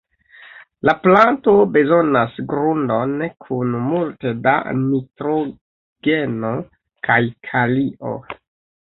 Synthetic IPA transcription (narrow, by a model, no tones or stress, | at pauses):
laplanto̞be̞zo̞nasɡɾundo̞nkʰunmulteda̰mitɾo̞ | ɡ̥eno̞ | kʰajkʰaliʔo̞̰